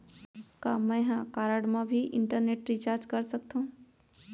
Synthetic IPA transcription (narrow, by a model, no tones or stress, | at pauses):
kaːmə̃jɦãkaːɾəɽmãbʱiʔɪɳʈəɾneːʈɾit͡ʃaːɾd͡ʒkəɾsək̚t̪ʰũ